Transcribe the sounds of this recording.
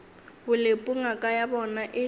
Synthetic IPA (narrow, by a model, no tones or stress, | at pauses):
bʊlepʼuŋakʼajabɔnaʔɪ